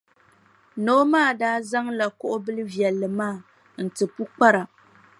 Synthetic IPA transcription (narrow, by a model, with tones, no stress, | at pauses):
noː˦maː˦˨daː˦za˦ŋla˨kʊ˦ʔʊ˦bɨ˦lɨ˦vjɛ˨lːɨ˨maː˦˨ | n̩˨tɨ˨pu˦k͡pa˦ɾa˨